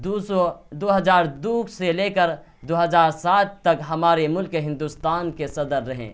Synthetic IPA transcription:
usod̪oːɦəzaːɾd̪uːkseleːkəɾ | d̪oɦəzaːɾsaːt̪t̪ɐkɦɐmaːɾemʊlkeɦɪ̃nd̪ust̪aːnkesɐd̪əɾːəɦḛ̃ː

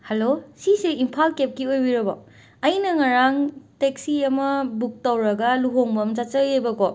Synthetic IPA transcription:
hɐlosiseimpʰalkep̚kiojbiɾɐbɔ | ɐjnɐŋaɾaŋtek̚siɐmɐbuk̚tɐwɾɐɡɐluɦoŋbɐmd͡ʒat͡ʃɐjejbɐkɔ

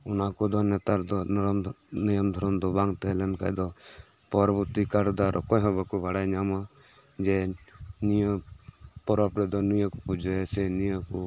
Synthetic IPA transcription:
ɔnakɔd̪ɔnɛt̪aɾd̪ɔnɾm | nijɔmd̪ʱɔɾɔmd̪ɔbaŋt̪ɛlɛnka̰jd̪ɔ | pɔɾbut̪ikaɾd̪aɾʔɔkɔjɦɔbakɔbaɽajɲama | d͡ʒɛnijəpɔɾɔpɾɛd̪ɔnijəkɔpud͡ʒɔɛsɛnijəkɔ

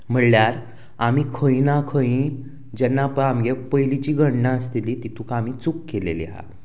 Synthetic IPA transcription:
m̤əɽljaɾ | amiːkʰəinakʰəĩ | d͡ʑɛnːapəamɡepəjlit͡ɕiːɡʱəɽɳaəst̪iliːt̪it̪ʰukamiːt͡sukːeleliɦa̰

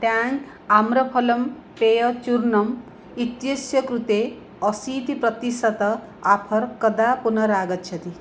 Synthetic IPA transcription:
t̪jan | amɾɐpʰɔlɐm | pejʌt͡ʃuɾnɐm | it̪jɐsjɐkɾut̪e | ɔsit̪ipɾʌt̪isɐt̪ɐ | apʰʌɾkʌd̪apunʌɾaːɡʌt̪̚t͡ʃʰɐt̪i

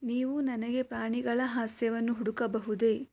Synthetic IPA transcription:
niːʋunɐnɐɡe̞pɾaːɳiɡɐɭɐɦaːsjɐʋɐnːuɦuɽukɐbɐɦud̪e̞

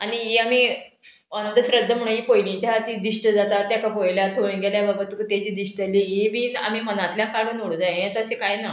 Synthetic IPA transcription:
aɽ̃iiamiː | ənənd̪ʱəsɾəd̪ʱːəm̤əɽ̃ũiːpojlit͡ɕaɦat̪iːd̪iʂʈəd͡zat̪at̪ːjakapojljat̪ʰonɡeljababat̪ikət̪jad͡ʑiːd̪iʂʈəlieʋiːna̰miːmənat̪ljãkaɽuːnoɽd͡zajet̪əsekajna

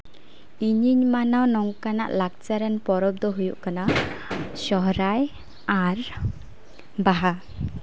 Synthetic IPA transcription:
iɲiɲmanawnɔŋkana̰ʔlak̚t͡ʃaɾanpɔɾɔp̚d̪ɔɦujuʔkana | sɔɦɾaj | aɾ | baɦa

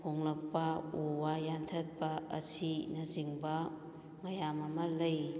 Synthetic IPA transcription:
pʰoŋlɐk̚pɐowajantʰɐt̚pɐɐ̰sinɐziŋbɐ | mɐjamɐmɐlɐj

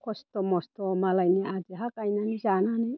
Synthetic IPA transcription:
kʰost̪omost̪omalajniad͡ʒiɦakajnanizanani

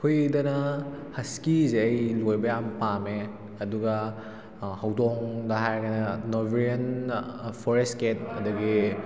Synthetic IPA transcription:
kʰujdɐnɐhɐskizeɐjlojbɐjampame | ɐduɡɐ | hɐwdoŋdɐɦajɡɐnɐnobiɾiɐn | pʰɔɾestket̚ɐ̰dɐɡi

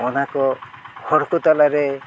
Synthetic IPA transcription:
ɔnakɔhɔɾkɔt̪alaɾɛ

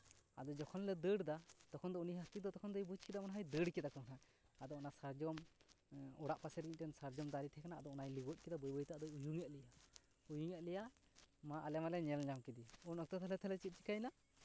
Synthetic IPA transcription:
a̰d̪ɔd͡ʒɔkʰɔnlɛd̪əɽd̪at̪ɔkʰɔnd̪ɔuniɦast̪id̪ɔt̪ɔkʰɔnd̪ɔjbut͡ʃkɛd̪amanaɦajd̪əɽkɛd̪akɔknaː | d̪ɔɔnasaɾd͡ʒɔm | ɔɽaʔpasɛɾɡic̚tɛnsaɾd͡ʒɔmd̪aɾit̪ʰɛkanaːd̪ɔɔnajliɡɔc̪̚kɛd̪abɔjbɔjt̪aʔd̪ɔjujuŋɛʔ̪̚lɛja | ujuŋɛʔ̪̚ˀlɛjamaʔalɛmalɛɲɛlɲamkid̪iunɔk̚t̪ɔt̪ʰɛlɛt̪ʰɛlɛt͡ʃit̪̚t͡ʃi̥kajna

